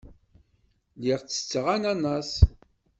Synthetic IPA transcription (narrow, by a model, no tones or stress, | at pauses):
liʁt͡sːə̥t͡sːəʁænænːɑs